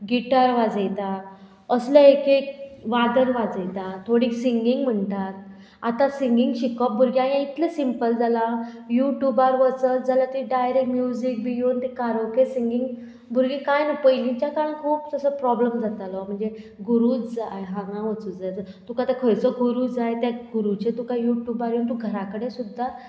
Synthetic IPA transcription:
ɡiʈaɾʋad͡zəjt̪at̪ | əsləekekʋad̪əɾʋad͡zəjt̪at̪ʰːoɽiːksiŋɡiŋɡm̤əɳʈat̪ | at̪ãsiŋɡiŋɡɕikɔp̚bʱuɾɡiãiãit̪ləsimpəld͡zala | juʈjubaɾʋət͡səld͡zalat̪əɾiɖajɾekʈmjud͡zik̚bijont̪ekaɾəkesiŋɡiŋɡ | bʱuɾɡikajnəpəjlĩɲt͡ɕjakaɽə̃kʰuːptəsəpɾɔbləmd͡zʱat̪alɔm̤əɳd͡zeɡuɾuːt͡sd͡zajɦãŋãʋət͡suːt͡sd͡zajt̪ukat̪akʰəɭt͡səkuɾud͡zajt̪aɡuɾut͡ɕet̪ukajuʈjubaɾjont̪uɡʱəɾakəɽẽsud̪ʱːa

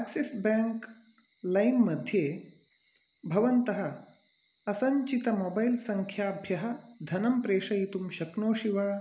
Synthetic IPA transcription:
sɐksesbaːŋk | lɐjmːɐd̪ʱjeː | bʱɐʋɐnt̪ɐɦɐ̆ː | sɐɲt͡ʃit̪ɐmoːbɐjlsɐŋkʰjaːbʱjɐɦɐ̆d̪ʱɐnɐmpɾeːʂɐjit̪umʃɐknoːʃiʋaː

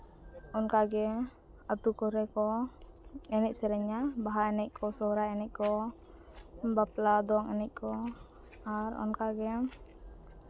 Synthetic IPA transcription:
ɔnkaɡɛ | at̪ukɔɾɛkɔ | ɛnɛʔ̚sɛɾɛɲabaɦaɛnɛʔ̚kʰɔsɔɾaɛnɛc̚ˀkɔ | baplad̪ɔaŋɛnɛc̚kʰɔ | aɾɔ̰nkaɡɛ

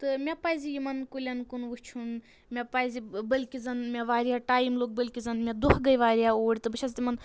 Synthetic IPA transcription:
t̪ɨmʲepaːjzijimɐnkulʲɐnkunʋut͡ʃʰun | mʲepaːjzibɐlkʲizɐnmʲeʋaːɾijaːʈaːjimloːɡ̚bɐlʲkʲizɐnmʲed̪uhɡɐjʋaːɾijaoːɽʲit̪ɨbɐʃʰɐzt̪ʲimɐn

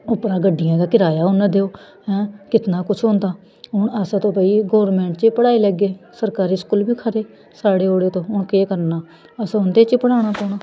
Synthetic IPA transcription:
ʊpɾãːɡəɖːɪjãːd̪aːkɪɾaːjaːɦʊnd̪eːoː | ɦɛ̃ːkɪt̪naːkʊt͡ʃʰõːnd̪aː | ɦʊɳəst̪õːpəiːɡoːɾmɛ̃ːɳʈ̚t͡ʃeːpəɽaːiːlɛɡeːsəɾkaːɾiːskuːlbiːkʰəɾeː | saːɽeːoːɽeːt̪õːɦʊɳkeːkəɾnaː | əsoːnd̪eːt͡ʃeːpəɽaːɽ̃aːkoːnaː

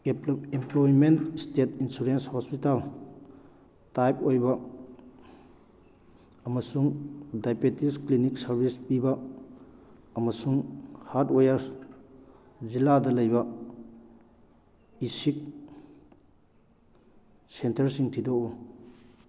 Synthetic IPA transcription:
emplojmentstetinsuɾenshɔspital | tajp̚ojbɐ | ɐmɐsuŋdajpetiskliniksɐɾbispibɐ | mɐsuŋhaɾtojɐɾ | d͡ʒiladɐlɐjbɐ | isik̚ | sentɐɾsiŋtʰidou

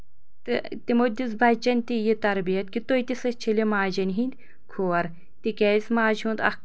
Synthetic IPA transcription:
t̪ɨt̪imod̪ʲizbɐt͡ʃɐnʲt̪ijit̪ɐɾbijɐt̪kit̪ojt̪ʲisɐt͡ʃʰilʲimaːd͡ʒɐnʲɦind̪ʲ | kʰoːɐɾ | t̪ikɛːsmaːd͡ʒɦũnd̪ɐ̰

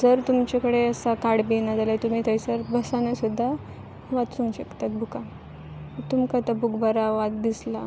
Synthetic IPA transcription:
d͡zəɾt̪umt͡ɕakəɽeəsakaɽbinad͡zalajt̪um̤iːt̪əjt͡səɾbʱəsanasud̪ʱːa | ʋat̪suŋɡɕəkt̪at̪̚bʱuka | t̪umkat̪abukbaɾaʋat̪̚d̪isla̰

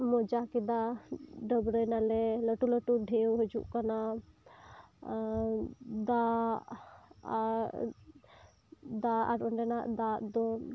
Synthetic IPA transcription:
mɔd͡ʒakid̪aɖəbɾəjnalɛləʈuləʈuɖʱewɦɔd͡ʒṵʔkana | d̪a | d̪aa̰ɾɔɳɖɛnaʔd̪ad̪ɔ

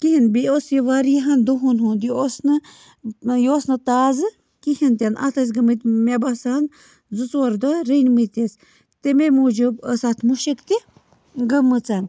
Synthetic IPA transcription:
kiɦinbiosjiʋaɾiɦand̪oɦunɦund̪iosnɨ | joːsnɨt̪aːzɨ | kihint̪ʲɐnʔa̰t̪ʰɐs̬ɡəmɨt̪mebasaːn | zut͡swɐɾd̪aɾənmit̪es | t̪ememud͡ʒubəsat̪ʰmuʃekt̪i | ɡəmːɨt͡san

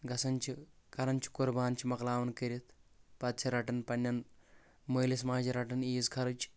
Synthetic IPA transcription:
ɡɐsɐnt͡ʃʰikɐɾɐnt͡ʃʰi̥kuɾbaːnt͡ʃʰimɐklaːʋɐnkɐɾit̪ʰpɐt̪̚t͡ʃʰiɾɐʈɐnpɐnʲːɐn | mɐːlismaːd͡ʒiɾɐʈɐniːzkʰɐɾɐt͡ʃʰ

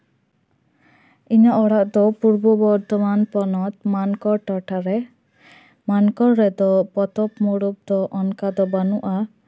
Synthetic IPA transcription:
iɲaʔɔɽaʔd̪ɔpuɾbɔbɔɾt̪ɔmanpɔnɔt̪mankɔɾʈɔʈaɾɛ | mankɔɾːɛd̪ɔpɔt̪ɔpmɔɽup̚d̪ɔʔɔnkad̪ɔbanuʔa

